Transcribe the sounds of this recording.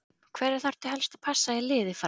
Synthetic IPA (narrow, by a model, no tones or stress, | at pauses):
kʰvɛɾɪɾ̥θaɾ̥t̪ɪɦɛlst̪aðpʰasːaɛlɪːðɪfɾ